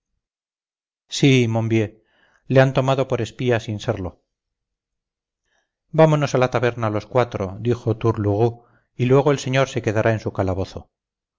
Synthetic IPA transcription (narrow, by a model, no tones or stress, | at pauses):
simõmbje̞ | leant̪o̞maðo̞po̞ɾe̞spiasinseɾlo̞ | bamono̞salat̪aβe̞ɾnalo̞skwat̪ɾo̞d̪ixo̞t̪uɾluɣ̞u | ilwe̞ɣ̞oelse̞ɲo̞ɾse̞ke̞ðaɾʔae̞nsukalaβo̞θo̞̰